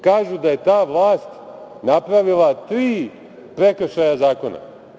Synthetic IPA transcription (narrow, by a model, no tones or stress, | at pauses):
kaːʒud̪aje̞t̪aːʋlˠaːst̪ | napɾaʋilˠat̪ɾiː | pɾekʃajazaːko̞na̰